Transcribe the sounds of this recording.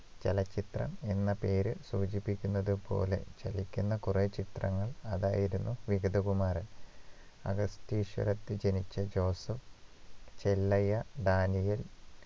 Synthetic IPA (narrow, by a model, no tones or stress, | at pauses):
t͡ɕelɐt͡ɕːit̪rɐ̰me̞nːɐpe̞ːɾɨsuːt͡ɕipːikʲːunːɐðɨpo̞̰ːle̞̰t͡ɕɐlikʲːunːɐkuret͡ɕit̪rɐ̰ŋːɐɭɐðaːjiɾunːuʋiɡɐd̪ʱɐkumaːɾɐl | ɐ̰ɡɐstiːɕʋɐ̰ɾɐt̪ːɨd͡ʑenit͡ɕːɐd͡ʑo̞ːsɐf | t͡ɕelːɐjɐɖ̪aːnijil